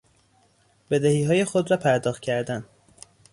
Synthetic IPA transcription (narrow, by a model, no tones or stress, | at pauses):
be̞d̪ehiːɦɒːje̞xod̪ɾɒːpʰæɾd̪ɒːxt̪̚cʰæɾd̪æn